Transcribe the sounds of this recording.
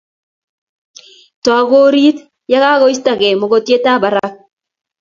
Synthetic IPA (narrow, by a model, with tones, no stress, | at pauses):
tɔ˨a˨ɡo˦ɾi˦t | ja˦ka˦ɣɔ˦i˦sta˨ke˨mo˨ɡo˨tje˦ta˦ba˨˦ɾa˦k̚